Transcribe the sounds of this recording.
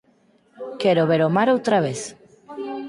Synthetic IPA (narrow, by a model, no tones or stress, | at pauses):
kɛɾoβeɾomaɾowt̪ɾaβ̞eθ